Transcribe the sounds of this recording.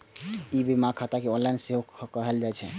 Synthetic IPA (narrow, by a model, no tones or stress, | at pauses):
ibʱimakʰat̪akeõlanseɦokəɦəld͡ʒat͡ʃʰɛ